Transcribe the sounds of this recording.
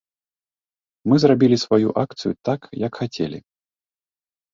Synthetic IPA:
mɨzrabʲilʲisvajṵʔakt̪sɨjut̪akjɐkxat͡sʲɛ̰lʲḭ

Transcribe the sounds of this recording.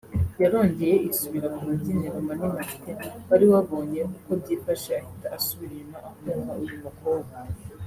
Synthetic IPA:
jaɾo̞ːɲɟe̞je̞ʔisuβiɾakumuzineʔamanimafiteβaɾiwaβo̞ːɲekuːkobɟiːfaʃeahitaasuβiɾinaʔauŋaujumukoːβa

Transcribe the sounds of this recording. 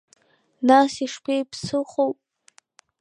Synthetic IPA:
nasiʂkʷʰejpʰsɨχowpʼ

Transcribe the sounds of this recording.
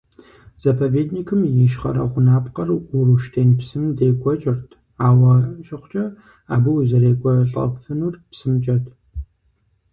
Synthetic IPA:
z̥ɐpʰɐveːdniːkʰɨmjɪʃχɐɾɐ̰ʁʷʊnaːpqɐrʊruʃtʰeːnpsɨmdeːkʷʼɔt͡ʃʼɪrtʰ | aːwɐʃʼɪχʷt͡ʃʼɐ | a̰ːbɨwzɐɾeːkʷʼɔɬʼɐ̰fɨnurpsɨmt͡ʃʼɐtʰ

